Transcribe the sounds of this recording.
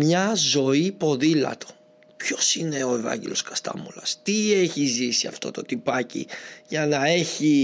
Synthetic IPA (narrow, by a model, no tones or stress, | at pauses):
mɲɐzo̞ipo̞ðilɐ̰t̪o̞̥ | pço̞sineo̞evɐ̰ɲɟḛlo̞skɐst̪ɐ̰mulɐst̪ieçizisiɐft̪o̞t̪o̞t̪ipɐcḭʝɐnɐe̞çi